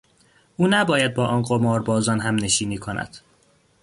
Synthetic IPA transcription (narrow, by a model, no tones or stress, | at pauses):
ʔuːnæbɒːjæd̪̚bɒːʔɒːnɢomɒːɾbɒːzɒnɦæmne̞ʃiːniːkʰonʔæ̰d̪̥